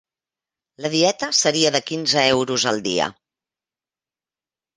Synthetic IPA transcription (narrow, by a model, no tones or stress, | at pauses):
ləðiɛt̪əsəɾiəðəkinzəɛwɾuzəlˠd̪ḭə̰